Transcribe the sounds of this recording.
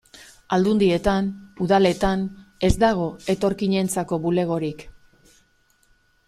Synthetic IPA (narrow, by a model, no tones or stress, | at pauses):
ald̪und̪ie̞t̪anuðale̞t̪ane̞zd̪aɣ̞o̞e̞t̪o̞ɾkiɲe̞nt͡sako̞βule̞ɣ̞o̞ɾik